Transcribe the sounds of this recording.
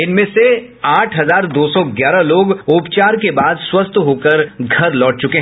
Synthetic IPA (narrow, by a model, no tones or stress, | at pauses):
ɪnmẽse | aːʈʰɦɐzaːɾd̪oːsɔɡjaːɾaloːɡʊpt͡ʃaːɾkebaːd̪swɐst̪ʰɦoːkəɾɡʱɐɾlɔːʈ̚t͡ʃʊkeɦ